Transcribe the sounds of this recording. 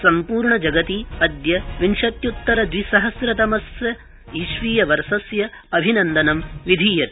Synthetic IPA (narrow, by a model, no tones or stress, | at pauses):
sɐmpuːɾɳɐd͡ʒɐɡɐt̪iɐd̪jɐʋinʃɐt̪jut̪ːɐɾɐd̪ʋisɐɦɐsɾɐt̪ɐmɐsjɐ | iːʃʋiːjɐʋɐɾsɐsjɐ | ɐbʱinɐnd̪ɐnɐmʋid̪ʱiːjɐt̪i